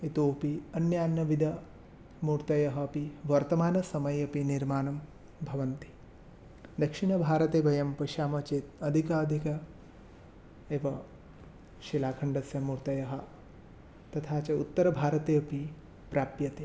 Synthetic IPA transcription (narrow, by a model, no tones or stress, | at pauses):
it̪oːpiɐnjaːnːɐʋid̪ʱɐ | muːɾt̪ɐjɐɦɐːpiʋɐɾt̪ɐmaːnɐsɐmɐjɐpiniɾmaːnɐm | bʱɐʋɐnt̪i̥ | d̪ɐkʂiɳɐbʱaːɾɐt̪eːbɐjɐmpɐʃaːmɐt͡ʃeːt̪ɐd̪ʱikaːɐd̪ʱikɐ | eːʋɐ | ʃilaːkʰɐɳɖɐsjɐmuːɾt̪ɐjɐɦɐ̆ | t̪ɐt̪ʰaːt͡ʃɐṵt̪ːɐɾɐbʱaːɾɐt̪eːɐpi | pɾaːpjɐt̪eː